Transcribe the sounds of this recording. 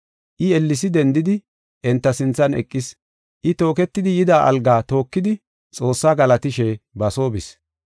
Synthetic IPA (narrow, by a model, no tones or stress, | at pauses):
ʔɪɛlːɪsɪd̪ɛnd̪ɪd̪ɪ | ʔɛnt̪ːɐsɪnt͡sːɐnɛ̰kʼːɪs | ʔɪt̪o̞ːkɛt̪ːɪd̪ɪjɪd̪aːʔɐ̰lɡaːt̪o̞ːkːɪd̪ɪ | t͡sʼo̞ːsːaːɡɐlɐt̪ɪʃɛbɐso̞ːbɪs